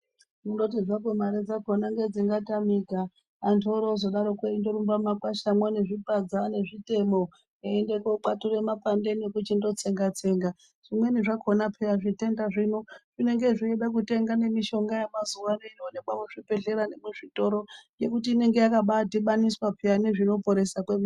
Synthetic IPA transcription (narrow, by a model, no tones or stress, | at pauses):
mundo̞t̬id͡zakwemaɾed͡zakonaŋɡed͡ziŋɡatamikaː | ntʰoɾozo̞ɗaɾokweindoɾumbamakwaʃamwaneʐipad͡zane̞ʐite̞mo | eːndekoǃature̞mapandenekut͡ʃindo̞t͡se̞ŋɡat͡se̞ŋɡa | ʐ̥imweniʐakʰo̞napʰejaʐite̞ndaʐinoʐ̥ine̞ŋɡe̞ʐieɗak̬ute̞ŋɡane̞miʃo̞ŋɡajamazuwaneinoneɓamuʐipe̞ɮe̞ɾane̞muʐito̞ɾoje̞kutiːne̞ŋɡe̞jakaɓadʱiɓaniswapʰeaneʐino̞po̞ɾe̞sakwemu